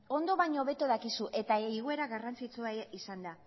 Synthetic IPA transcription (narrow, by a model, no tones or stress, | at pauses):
o̞nd̪o̞βajɲoβe̞t̪oðakisuʔe̞t̪aiɣueɾaɣarant͡sit͡suaisand̪a